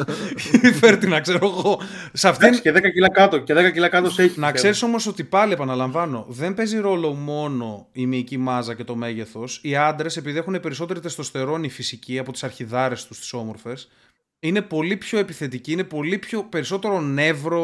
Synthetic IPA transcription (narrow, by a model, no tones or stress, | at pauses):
feɾt̪inɐkse̞ɾoɣo̞ | sɐft̪iseðekɐcilɐkɐt̪oceðekɐcilɐkɐt̪oseçinɐkse̞ɾiso̞mo̞so̞t̪ipɐlie̞pɐnɐlɐɱvɐno̞ðe̞mpe̞ziɾo̞lo̞mo̞no̞imiːcimɐzɐce̞t̪o̞me̞ʝe̞θo̞siɐnd̪ɾe̞se̞piðiexunepe̞ɾiso̞t̪e̞ɾit̪est̪ost̪e̞ɾo̞nifisiciɐpot̪i̥sɐɾçiðɐɾe̞st̪ust̪i̥so̞mo̞ɾfe̞s | ine̞po̞lipço̞e̞piθe̞t̪iciine̞po̞lipço̞pe̞ɾiso̞t̪e̞ɾo̞ne̞vɾo̞